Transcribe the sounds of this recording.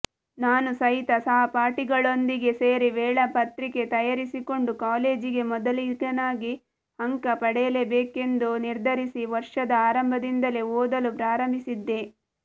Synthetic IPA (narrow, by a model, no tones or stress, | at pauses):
naːnusɐɦit̪ɐsɐɦɐpaːɾʈiɡɐɭo̞nd̪iɡe̞seːɾiʋɛːɭɐpɐt̪ɾike̞t̪ɐjaɾisiko̞ɳɖukaːle̞ːd͡ʒiɡe̞mɔd̪ɐlikɐnaːɡi | hɐŋkɐpɐɽɛjɐle̞beːke̞nd̪uniɾd̪ʱɐɾisiʋɐɾʂɐd̪ɐaːɾɐmbʱɐd̪ind̪ɐle̞oːd̪ɐlupɾaːɾɐmbʱisid̪ːe̞